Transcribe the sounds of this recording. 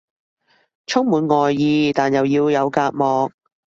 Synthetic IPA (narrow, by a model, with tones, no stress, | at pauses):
t͡ʃʰʊ˥ŋmuː˨˧nŋɔː˨jːiː˧t̪aː˨njɐ˨˩wjiː˧wjɐ˨˧wkaː˧t̚mɔː˨˧k̚